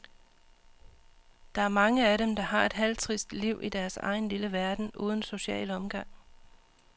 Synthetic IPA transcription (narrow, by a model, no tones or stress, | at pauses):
d̥ɑ̈æɐmɑ̈ŋəæɾemd̥ɑ̈ɦɑ̈e̝d̥ɦælt͡sʰʁisd̥liʊ̰ʔid̥æɐsɑ̈ɪn̩liləʋæɐd̥n̩ʔṵːð̞ˠn̩so̝ɕɛ̰ːlɒ̽mɡ̥ɑ̈ŋ̰